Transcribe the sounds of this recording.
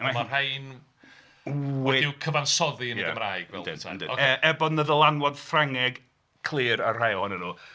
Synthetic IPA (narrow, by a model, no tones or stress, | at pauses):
mamahajn | weɪwkʰəvansɔðiənjəaɡə̰mraːjɡ̥vɛ̰lˠd̰ʰa̰dɪ̰okːɛbɔdnəðəlˠanwɔd̥fraŋɛɡ | kʰlˠɨːɾarr̥ajɔnənuː